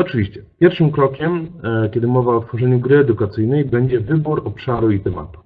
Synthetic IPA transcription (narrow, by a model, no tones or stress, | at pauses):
ɔt͡ʂɘvʲiɕt͡ɕɛpʲjɛɾfʂɘmkɾɔkʲɛmkʲɛd̪ɘmɔvaɔt̪fɔʐɛɲuɡɾɘɛd̪ukat̪sɘjnɛjbɛɲd͡ʑɛvɘbuɾɔpʂaɾuit̪ɛma̰t̪u̥